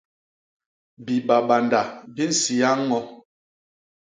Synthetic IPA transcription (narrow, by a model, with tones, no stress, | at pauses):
bi˨ba˨ɓa˨nda˨bi˦n̩˨si˨a˦ŋː˦ɔ˦